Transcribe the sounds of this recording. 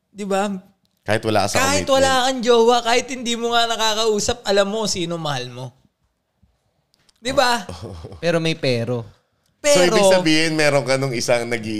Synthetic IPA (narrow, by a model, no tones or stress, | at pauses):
d̪ɪba | kaːhɪt̪wɐla̰ːkɐskaːhɪt̪wɐlaːɐkɐnd͡ʒoːwɐkaːhɪt̪hɪnd̪iːmoŋanɐkaːkɐʔuːsɐp̚ʔɐlɐmːo̞siːnomɐhalmo̞ | d̪ɪbaʔopɛːɾo̞mɐjpɛːɾo̞ | pɛsːoiɾoɪɡ̚sɐbiːhɪnmɛːɾoŋkɐnoŋɪsaŋnɐɡi